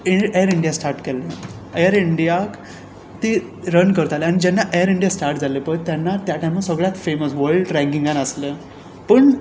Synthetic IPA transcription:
iejəɾiɳɖijasʈaɾʈkɛlːe | ejəɾiɳɖijak | t̪e | ɾənkəɾt̪aleaɽ̃id͡ʑɛnːaʔejəɾiɳɖijasʈaɾʈd͡zalepət̪ːjanːat̪jaʈajməsəɡɭjat̪feməsʋəɾɭɖɾæ̃ŋɡiŋɡanəslə | pəɳ

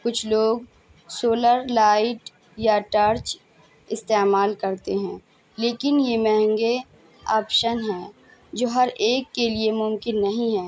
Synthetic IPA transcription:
kʊt͡ʃʰloːɡ | soːləɾlaːɪʈ | jaʈəɾt͡ʃ | ɪst̪eːmaːlkɐɾt̪eɦɛ̃ː | leːkɪnjeːmɛɦɛ̃ŋɡe | ɔːpʃənɦɛ̃ː | d͡ʒoːɦɐɾeːkːeliemʊmkɪnːɐɦĩɦɛː

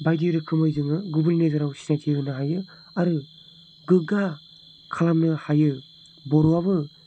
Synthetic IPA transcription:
bajdiɾɯkʰɯmɔjzɯŋɯɡubɯlnezaɾawsi̥satʰiɯnɯɦajɯ | aɾɯ | ɡɯɡa | kʰalamnɯhajɯ | bɔɾoaβɯ

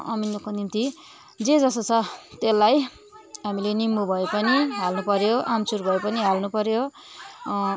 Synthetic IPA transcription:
ʌ̰minːokonint̪i | d͡zed͡zʌst̪ot͡sʰʌt̪elːaj | ɦamilenimbubʱʌepʌniɦalnupʌɾjoʔamt͡surbʱʌepʌniɦalnupʌɾjo

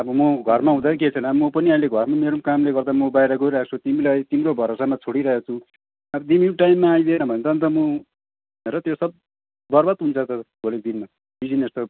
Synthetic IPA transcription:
ʌbʌmʌɡʱʌrmaɦũd̪akket͡sʰʌnʌbmʌpʌniʌĩleɡʱʌrmameɾumkamleɡʌrd̪amʌbajɾʌɡoiɾak̚t͡sʰut̪imilajt̪imɾobʱʌɾosamat͡sʰoɽiɾʌɦekt͡sʰũ | ʌbʌd̪imiʈajmːaːjd̪enʌbʱʌnet̪ʌnt̪ʌmʌ | b | neɾʌt̪josʌb̚ | bʌrbat̪ɦunt͡sʰʌt̪ʌbʱolek̚d̪inma | bid͡zinest̪o

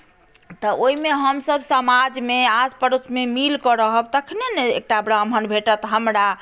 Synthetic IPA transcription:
t̪ɔʔoimeɦəmsəbsəmad͡ʒmeaspəɾut̪ʰmemilkɔɾəɦəb̚t̪əkʰneneḛk̚ʈabɾəmʱənbʱeʈət̪ɦəmɾa

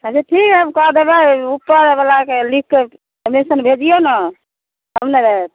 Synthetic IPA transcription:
əseʈʰikɦɛəmkɔɦd̪ebɛupːəɾbəlakelikːe | əmisənbʱed͡ʒijonə | ɦəmneɾeɛt̪̚

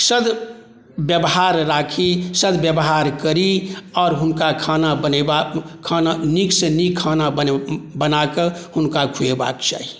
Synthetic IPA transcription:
səd̪ | bjəbɦaːɾɾaːkʰisəd̪bjəbɦaɾkəɾiɔːɾɦʊnkakʰaːnabənebakʰaːnaniksenikʰːaːnabbənakəhʊnkakʰueba̰ːkt͡ʃa̰ːɦi

